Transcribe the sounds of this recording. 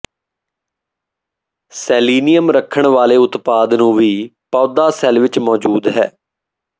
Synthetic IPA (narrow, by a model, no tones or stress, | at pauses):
sɛːliːnɪjəmɾəkʰːəɳʋaːleːʊt̪paːd̪nũːʋiːpɔːd̪aːsɛlʋɪt͡ʃmɔːd͡ʒuːd̪ɦɛ̰ː